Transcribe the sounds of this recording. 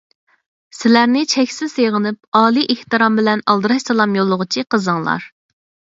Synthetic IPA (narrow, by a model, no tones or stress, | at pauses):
sɪlæɾnɪt͡ʃʰɛkʲsɪz̥seʁənɨp̚ɑːlˠiʔeht̪ɨɾɑmbɪlɛnɑlˠd̪ɨɾɑʃsɑlˠɑmjolˠːʊʁʊt͡ʃʰiqʰəzɨŋlˠɑ̰ɾ